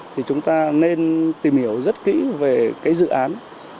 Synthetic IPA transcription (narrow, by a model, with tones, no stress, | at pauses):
t̪ʰi˨˩t͡ɕʊ˨˦ŋ͡mt̪aː˧ne˧nt̪i˨˩mhi˧˩əwzə˦˥t̚kḭ˧˥ve˨˩kaː˨˦jzɨ̰˧˨ʔaː˨˦n